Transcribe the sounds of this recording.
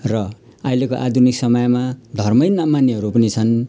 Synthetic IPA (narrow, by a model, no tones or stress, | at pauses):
rʌ | ajlekoʔad̪ʱuniksʌmʌjmad̪ʱʌrmʌjnʌmanːeɦʌɾupʌnit͡sʰʌn